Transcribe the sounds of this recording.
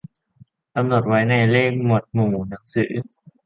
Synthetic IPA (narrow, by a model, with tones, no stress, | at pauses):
ka˧mnu˨˩t̪̚wa˦˥jna˧˩jleː˥˩k̚mo˨˩t̪̚muː˨˩muː˩˦na˩˦ŋsɯ̰ː˩˦